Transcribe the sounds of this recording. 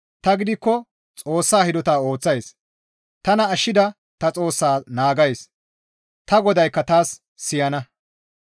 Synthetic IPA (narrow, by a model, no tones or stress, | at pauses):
t̪ɐɡɪd̪ɪkːɔ | t͡sʼo̞ːsːaːhɪd̪ɔt̪aːo̞ːt͡sːɐjs | t̪ɐnɐːʃːɪd̪ɐ | t̪ɐt͡sʼo̞ːsːaːnaːɡɐjs | t̪ɐɡɔd̪ɐjkːɐt̪aːsː | ɪjɐnɐ